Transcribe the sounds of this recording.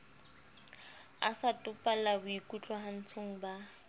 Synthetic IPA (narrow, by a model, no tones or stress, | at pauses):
a̰satʼʊpʼalabʊikʼut͡ɬʼɔɦan̩t͡sʰoŋ̩ba